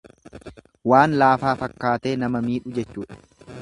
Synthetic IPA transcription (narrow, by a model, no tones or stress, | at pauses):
waːnlaːfaːfɐkːaːt̪e̞ːnɐmɐmiːᶑʊd͡ʒɛt͡ʃːuːᶑɐ̥